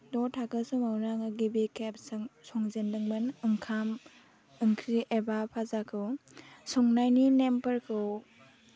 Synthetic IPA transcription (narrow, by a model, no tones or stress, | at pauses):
dɔtʰakɯsumawnaŋɯɡibekʰep̚saŋsɔŋzendɯŋmɯnɯŋkʰam | ɯŋkʰɾiʔebapʰazakʰɯwsɔŋnajninempəɾkʰɯw